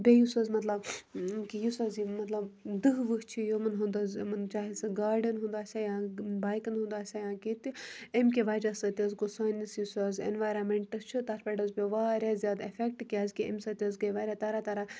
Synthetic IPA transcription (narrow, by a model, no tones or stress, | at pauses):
bʲejusɐzmɐt̪lɐbkijisazimɐt̪lɐbd̪ɨɦʋɨɦt͡ʃʰijomɐnɦũnd̪ɐzmɐnt͡ʃaːɦisɨɡaːɾɖənɦũnd̪aːsʲajãbaːjkɐnɦũnd̪aːsʲajãːkit̪iemkʲiʋaːɾɐsɐt̪ʲɐzɡosaːnʲɐsjisaːzḛnʋaːjɾɐmeɳʈɨst͡ʃʰut̪aːɾpʲeɖəzpʲeʋaːɾʲaːzʲjaːd̪efʰek̚ʈkʲaːzkʲiɐ̰msɐt̪ʲɐzɡɐjʋaːɾʲat̪aɾat̪ɐɾa